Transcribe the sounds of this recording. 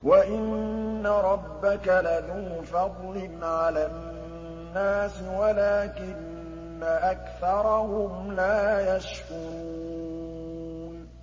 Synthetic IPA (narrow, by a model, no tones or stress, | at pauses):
waʔɪnːaɾˤɑbːakalatʊfɑd̪ˤlɪnʕalaː | nːaːsɪwalaːkɪnː | aʔakθɑɾˤɑhʊmlaːjaʃhʊɾuː | n